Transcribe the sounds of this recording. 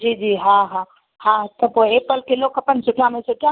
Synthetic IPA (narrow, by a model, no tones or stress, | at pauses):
d͡ʒiːd͡ʒiːɦãɦã | hãt̪ɐboeːpəlkeloːkɐpənsʊʈʰamẽsʊʈʰa